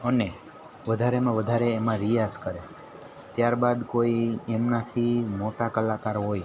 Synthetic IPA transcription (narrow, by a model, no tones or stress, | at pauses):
əne | ʋəd̪ʱaɾemãʋəd̪ʱaɾeːmãɾijaskəɾe | t̪jaɾbad̪koiɛmnat̪ʰimoʈakəlakaɾɦoj